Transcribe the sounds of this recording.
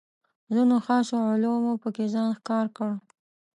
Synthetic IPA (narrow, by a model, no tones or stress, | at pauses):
zunoxɑʃoʕʊlomupəkezɑnxkɑɾkəɽ